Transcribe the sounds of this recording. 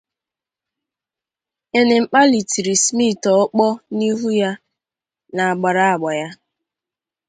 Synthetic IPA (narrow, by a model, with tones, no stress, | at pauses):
e˦ne˨ŋ͡m̩˨k͡pa˦li˨ti˨ɾi˨smi˦˨tɔ˦k͡pɔ˦ni˦ɦu˦ja˦ | na˨a˨ɡ͡ba˨ɾa˦a˨ɡ͡ba˨ja˦